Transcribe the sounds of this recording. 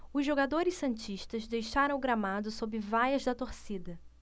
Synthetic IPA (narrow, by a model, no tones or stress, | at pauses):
ʊzʒoɡad̪oɾɪssɐ̃nt͡ʃiʃt̪ɐzd̪ejʃaɾɐ̃w̃ʊɡɾamad̪ʊsobɪvajɐzd̪ɐt̪oɾsid̪ɐ